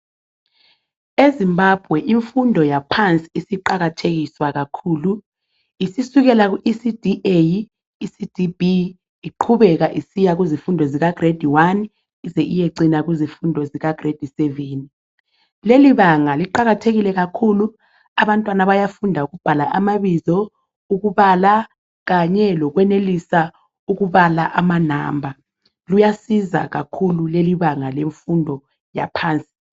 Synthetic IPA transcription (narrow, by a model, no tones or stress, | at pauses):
ezimbab̥ʱwɛʔiɱfundʱɔjapʰant͡sʼi̥isiǃaɣatʰeɣiswaɣakʰuːlu | isisuɣɛlaɣ̬uʔisid̥ʱiʔej | isid̥ʱibi | iǃʰuβɛɣ̬aʔisijaɣ̬uzifundʱɔziɣaɡ̥red̥ʱiwan | izɛʔijeǀinaɣ̬uzifundʱɔziɣaɡ̥red̥ʱisɛveni | leliβaŋaliǃaɣatʰeɣilɛɣ̬akʰulu | aβantʼwanaβajafundʱauk̬ɣub̥ʱalaʔamaβizɔ | ukuβala | ɣ̬aɲɛlɔk̬wɛnelisa | uɣ̬uβalaʔamana̰ːmbʱa | lujasiza̰ɣ̬akʰululeliβaŋaleɱfundʱɔ | ja̰pʰaːnt͡sʼi̥